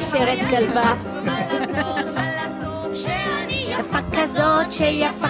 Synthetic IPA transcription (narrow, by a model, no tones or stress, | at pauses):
ʃeʁet̪ɡalva | afakːazot̪ʃɛjaf